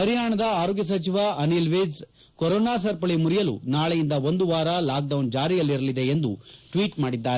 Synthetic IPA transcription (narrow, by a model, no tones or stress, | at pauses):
pɐɾijaːɳɐd̪ɐaːɾoːɡjɐs̬ɐt͡ʃiʋɐɐnilʋed͡ʒ | kɔɾoːnaːs̬ɐɾpɐɭimuɾijɐlṵnaːɭejind̪ɐo̞nd̪uʋaːɾɐlaːk̚ɖɐwnd͡ʒaːɾijɐlːiɾɐlid̪e̞ːnd̪uʈʋiːʈmaːɽid̪ːaːɾe